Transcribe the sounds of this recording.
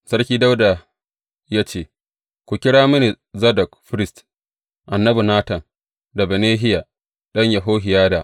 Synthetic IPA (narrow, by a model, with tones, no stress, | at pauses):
sɐ˦ɽkʲiː˦da˦wda˨ | jaː˦t͡ʃeː˦˨ | kʷu˨kʲɪ˦ɽaː˦mʊ˦ni˨ | zɐ˦dɐ˨kɸɪ˦ɾɪ˦˨st | ʔa˨nːɐ˦bu˨naː˦tɐ˨n | da˨bɛ˨neː˦ɦɪ˦ja˨ | ɗɐ˦ɲjɐ˨ɦoː˦ɦɪ˨jaː˦daː˨